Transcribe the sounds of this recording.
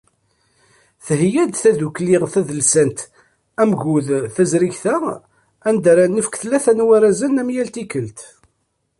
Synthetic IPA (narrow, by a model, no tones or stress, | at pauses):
θəhjæd̪θæðuklɪʁθæðəlsænt̪ | æmʝuðθæzɾiçθæ | ænd̪aɾanːəfə̥kθlːæθænwæɾæzænæmjælt̪ikəlt̪